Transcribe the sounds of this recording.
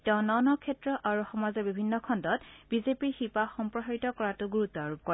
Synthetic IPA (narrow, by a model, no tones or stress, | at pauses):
tɛʊ̃nɔnɔkʰɛtɹɔʔaɹuxɔmazɔbibʱinːɔkʰɔndɔtb̥izepiɹxipaxɔmpɹɔɦaɹitɔkɔɹatʊɡuɹutːɔaɹub̚kɔɹ